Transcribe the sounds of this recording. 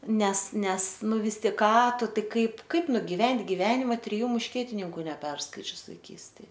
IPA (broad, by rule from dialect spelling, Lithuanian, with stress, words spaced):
ˈnʲɛs ˈnʲɛs ˈnʊ ˈʋʲɪs ˈtʲɪk ˈkɑː ˈtʊ ˈtɐɪ ˈkɐɪp ˈkɐɪp nʊɡʲɪˈʋʲɛnʲtʲ ɡʲɪˈʋʲæːnʲɪmɐ tʲrʲɪˈjuː mʊʃʲˈkʲiɛtʲɪnʲɪŋkʊ nʲɛˈpʲɛrskɐɪt͡ʃʲʊs ʋɐɪˈkʲiːsʲtʲeːj